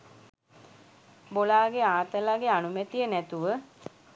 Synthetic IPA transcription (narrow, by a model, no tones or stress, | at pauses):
bolaːɡeaːt̪əlaɡeanumɛt̪ijənæt̪uʋə